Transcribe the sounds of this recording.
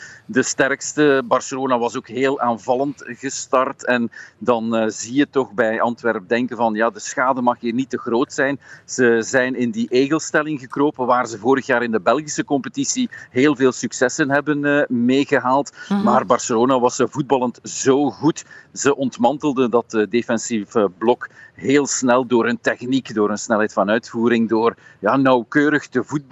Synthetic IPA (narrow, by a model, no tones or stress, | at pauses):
dəstɛrkstəbɑrsəloːnaʋɑsoːkɦeːlˠʔaːnvɑlˠəntɣəstɑrtɛndɑnzijətɔχbɛjɑntʋɛrp̚dɛŋkənvɑnjaːdəsxaːdəmɑxiːrnitəɣroːtsɛjnz̥əzɛjnɪndiʔeːɣəlˠstɛlɪŋɣəkroːpəʋaːrzəvoːɾəxjaːɾɪndəbɛlˠɣisəkɔmpətisiɦeːlˠveːlˠsyksɛsənɦɛbənmeːɣəɦaːlˠtmaːrbɑrsəloːnoʋɑsəvud̚bɑlˠəntz̥oːɣutz̥əʔɔntmɑntəlˠdəndɑtədefɛnsivəblɔkɦeːlˠsnɛlˠdoːɾəntɛxnikdoːɾənsnɛlˠɦɛjtfɑnœɥtfuːɾɪŋdoːrjaːnɑwkøːɾəxtəvud̚b